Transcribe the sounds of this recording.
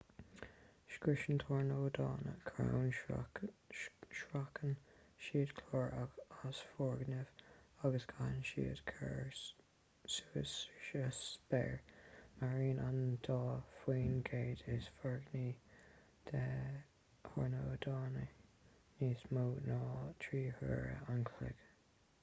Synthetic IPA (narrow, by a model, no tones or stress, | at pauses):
ʃkɹɪʃənt̪ʰɔɹnoːd̪ɑ̰ːnə̰kʰɾa̰wn | ʃɹakʰən | ʃiːd̪kʰlɔːɹaasfɔɹɡnɪv̥aɡəskʰanʃḭːəd̥̪kʰɛ̰ɹ | suɪsɪʃəsb̥ɛ̰ɹmaɹiːnʔand̪̥ɑːfwiːnɡeːd̪ɪsfɔɹɡniː | d̪̥ɛ | hɔɹnoːd̪ɑːnə | niːsmoːnɑːt̪ʰɹiːhə̰ːɹə̰ankʰlɪ̰ɡ̥